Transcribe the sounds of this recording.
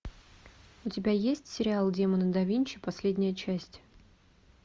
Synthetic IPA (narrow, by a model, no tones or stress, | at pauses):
ʊtʲɪbʲajesʲtʲsʲɪɾʲɪalˠdʲemənəd̪ɐvʲinʲt͡ɕɪpɐsʲlʲedʲnʲɪjət͡ɕæsʲtʲ